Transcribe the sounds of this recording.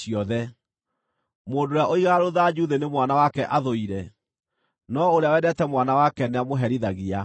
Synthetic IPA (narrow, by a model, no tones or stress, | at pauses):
iɔðɛ | moːndoɾjaʔoiɣaɾoðad͡ʒuðenemwanawakɛʔaðoiɾɛ | nɔoɾeawɛdɛtɛmwanawakɛneamoɦɛɾiðaɣia